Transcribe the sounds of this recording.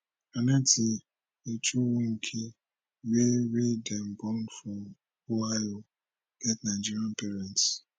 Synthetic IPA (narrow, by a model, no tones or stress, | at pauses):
anatʰi | et͡ʃuwũŋ̩kʰi | weɾidɛmbɔnfɔm | oajo | ɡ̥ɛtnad͡ʒiɾiãnpeɾɛnt